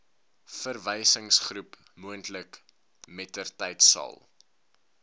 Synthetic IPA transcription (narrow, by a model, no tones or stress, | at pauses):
fərvɛjsəŋsχrup | muəntlək | mɛtərtɛjtsɑ̰lˠ